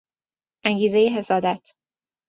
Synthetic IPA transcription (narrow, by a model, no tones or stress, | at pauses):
ʔæŋɟiːzejeɦe̞sɒːd̪æt̪ʰ